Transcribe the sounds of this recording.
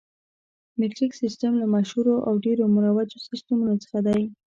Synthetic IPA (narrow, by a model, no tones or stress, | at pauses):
mɪʈɾiksɪstamlamaʃhuɾoʔawɖeɾomuɾawad͡ʒosist̪amunot͡sə̥xad̪aj